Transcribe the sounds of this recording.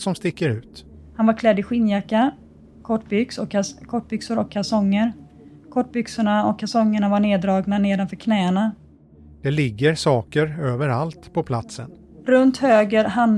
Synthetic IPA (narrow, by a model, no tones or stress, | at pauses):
sɔmst̪ɪkːəɾʉ̟ːt̪ | hanvaɾkʰlɛd̪ːɪɧɪnjakːa | kʰɔʈːbʏksɔkʰːakʰɔʈːbʏksʊɾɔkʰːasɔŋːəɾ | kʰɔʈːbʏksʊɳaɔkʰːasɔŋːəɳavaɳeːd̪ɾɑːɡnaneːd̪anfœːɾkʰnɛːaɳa | d̪̥ɛlɪɡːəɾsɑːkəɾøːvəɾalt̪pʰɔpʰlat̪sə̰n | ɾɵnt̪høːɡəɾɦan